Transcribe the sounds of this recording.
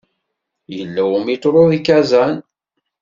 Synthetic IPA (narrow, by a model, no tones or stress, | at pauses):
jəlːæwəmit̪ːɾˤoðikæzæn